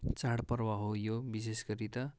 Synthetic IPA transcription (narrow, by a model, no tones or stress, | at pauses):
t͡saɽpʌrwaɦojobis̬esɡʌɾit̪ʌ